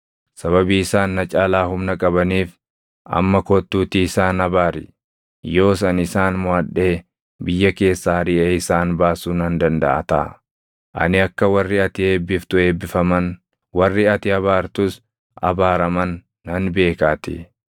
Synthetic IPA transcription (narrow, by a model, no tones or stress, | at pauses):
sɐβɐbiːɪsaːnːɐt͡ʃʼaːlaːɦʊmnɐkʼɐbɐniːf | ɐ̰mːɐkɔt̪ːuːt̪iːɪsaːnɐbaːɾɪ̰ | jo̞ːsɐnɪsaːnmʊaᶑːe̞ː | bɪjːɐke̞ːsːaːɾɪʔeːɪsaːnbaːsuːnɐnd̪ɐnd̪ɐ̰ʔɐ̰t̪ɐ̰ʔɐ̰ | ʔɐ̰nɪɐkːɐwɐrːɪɐt̪ɪe̞ːbːɪft̪ʊe̞ːbːɪfɐmɐn | wɐrːɪɐt̪ɪɐβaːɾt̪ʊs | ɐ̰baːɾɐmɐnː | ɐnbe̞ːkaːt̪ɪ